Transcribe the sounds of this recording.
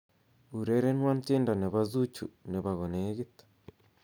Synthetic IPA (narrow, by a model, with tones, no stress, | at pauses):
u˨ɾe˦ɾe˦nwa˦n˦t͡ʃeː˦nda˨ne˨βa˨zu˦t͡ʃṵ˨ne˨βa˨ɣo˨ne˨˦ɣi˦tḁ